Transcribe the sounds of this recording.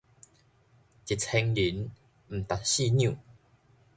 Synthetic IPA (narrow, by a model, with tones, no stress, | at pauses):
t͡ɕi˨t̚t͡sʰe˧ŋli˨˦n | m̩˨˩t̪a˨˩ɕi˥˧ɲjũ˨